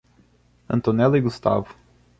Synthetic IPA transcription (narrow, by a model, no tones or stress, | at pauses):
ɐ̰̃nt̪onɛlɐiɡust̪a̰vʊ̥